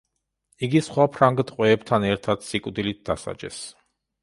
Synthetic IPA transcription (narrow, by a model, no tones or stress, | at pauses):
iɡisχwapʰɾaŋɡd̪qʼwɛːbt̪ʰanɛɾt̪ʰad̪̥sikʼwd̪ilit̪̚d̪asa̰d͡ʒɛ̰s